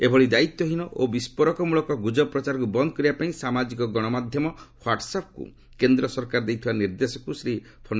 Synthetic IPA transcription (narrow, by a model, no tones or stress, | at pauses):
ebʱɔɭid̪ait̪ːɔɦinɔʔobispɔɾɔkɔmuɭɔkɔɡud͡ʒɔpɾɔt͡ʃaɾɔkubɔnd̪ʱɔkɔɾibapaĩsamad͡ʒikɔɡɔɽ̃ɔmad̪ʱjɔmɔhwaʈsapʰkṵ | kend̪ɾɔsɔɾkaɾɔd̪ejt̪ʰibaniɾd̪esɔkusɾi | pʰon